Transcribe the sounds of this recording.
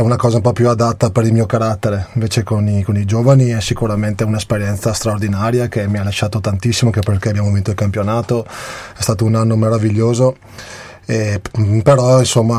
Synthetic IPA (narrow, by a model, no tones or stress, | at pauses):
ɛunakɔːzaumpɔpjuad̪at̪ːapeɾilmiːokaɾat̪ːeɾeiɱveːt͡ʃekonikonid͡ʒoːvaniɛsikuɾament̪eunespeɾjɛnt̪sast̪ɾaord̪inaːɾjakemːialaʃːaːt̪ot̪ant̪isːimokeperkeabjaːmovint̪oilkampjonaːt̪oɛst̪aːt̪ounanːomeɾaviʎːoːzo | epeɾɔinsomːa